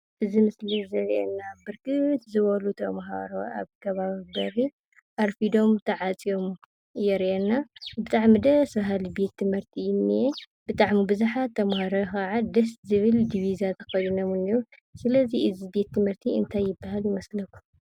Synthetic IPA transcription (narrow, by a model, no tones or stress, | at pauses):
ʔɨzimɨslizɐɾʔɛ̰nːabɨɾkʰʼɨt̪zɨβɐlut̪ʰɐmɦa̰ɾoa̰βkʰɐβaβibɐɾi | ʔaɾfid̪o̞mt̪ʰɐʕat͡sʼijo̞m | jɛɾʔɛnːabɨt̪ʼaʕmid̪ɐsbɐɦalibe̞t̪ʰːɨmhɨɾt̪ʰiɪnːije | bɨt̪ʼaʕmibɨzaħat̪ʰːɐmhaɾoxaʕad̪ɐst̪zɨβɨld̪iβizat̪ʰɐ̥xɐjunɐmuniju | sɨlɐziɨzibe̞t̪ːɨmhɨɾt̪ʰiɨ̰nt̪ʰajːɪbːaɦaljɪmɐslɐku̥